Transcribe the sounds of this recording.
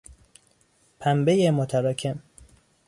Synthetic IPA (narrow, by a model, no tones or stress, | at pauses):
pʰæmbejemot̪ʰæɾɒːcʲʰe̞m